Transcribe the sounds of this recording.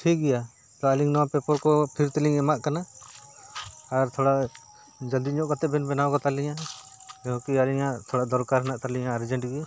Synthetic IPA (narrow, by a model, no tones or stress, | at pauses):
ʈʰiɡɛja | t̪ɔaliŋnɔwapɛpɔɾkɔpʰiɾt̪ɛliŋɛmaʔkana | ɾt̪ʰɔɽaʔ | d͡ʒald̪iɲɔʔkat̪ɛbɛnpɛnawkɔt̪aliɲa | ɛɦɔ̃kialiŋaʔt̪ʰɔɽaʔd̪ɔɾkaɾɦɛnaʔt̪aliɲaːɾd͡ʒɛɳʈɡija